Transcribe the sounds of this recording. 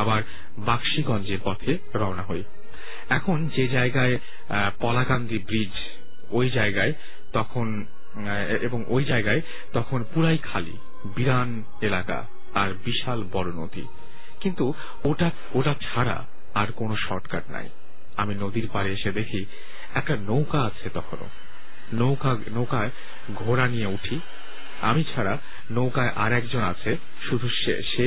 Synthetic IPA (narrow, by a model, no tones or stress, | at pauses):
abaɾ | bakʃiɡɔnd͡ʑeɾpɔt̪ʰe | ɾɔonaɦoj | ɛkʰond͡ʑed͡ʑaeɡae | pɔlaɡand̪ibɾid͡ʑ | ojd͡ʑaeɡae | t̪ɔkʰon | eboŋʔojd͡ʑaeɡae | t̪ɔkʰonpuɾajkʰalḭ | biɾan | elaka̰ | aɾbiʃalbɔɾono̰t̪ḭ | kint̪u | oʈa | oʈat͡ɕʰaɾa̰ | aɾkonoʃɔʈka̰ɾna̰j | aminod̪iɾpaɾeeʃed̪ekʰi | ɛk̚ʈanowkaat͡ɕʰet̪ɔkʰono̰ | nowka | nowkae | ɡʱoɾanijeuʈʰi | a̰mit͡ɕʰaɾa | nowkaeʔaɾɛkd͡ʑonat͡ɕʰe | ʃud̪ʱuʃḛʃe